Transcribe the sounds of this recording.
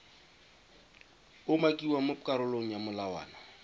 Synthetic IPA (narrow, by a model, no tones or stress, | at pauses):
ʊmakʼiwamʊkʼaɾʊloŋ̩jamʊlawa̰ːna